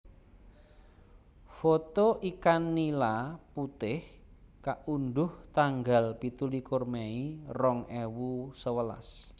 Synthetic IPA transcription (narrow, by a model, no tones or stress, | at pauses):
fot̪oʔikanːilaput̪ɪh | kaʔunɖʊht̪aŋɡalpit̪ulikʊrmeirɔŋɛwusəwəla̰s